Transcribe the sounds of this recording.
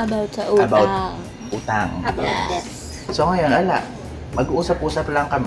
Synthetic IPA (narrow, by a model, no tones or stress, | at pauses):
ʔɐbawt̪sɐʔuɐbaw̪ | ʔuːt̪aŋ | soŋɐjo̞nʔɐla̰ʔ | mɐɡuʔuːsɐpʔuːsɐplɐŋkɐmɛ